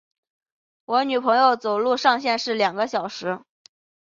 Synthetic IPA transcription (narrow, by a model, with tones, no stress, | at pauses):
wɔ˧˥ny˨˩pʰɤ˧˥ŋjo˥˩ʊt͡so˨˩ʊlu˥˧ʂɑ˥˧ŋɕjɛ˥˧nʂɻ̩˥˩ljɑ˨˩ŋɡə˦ɕjɑ˨˩ʊʂɻ̩˧˥